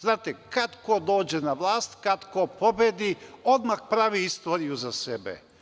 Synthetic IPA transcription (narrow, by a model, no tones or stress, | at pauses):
znaːt̪ekad̪kod̪o̞ːd͡ʑenaʋlˠaːst̪kad̪kopo̞bed̪io̞d̪maxpɾaʋiist̪o̞ːɾijuzasebḛ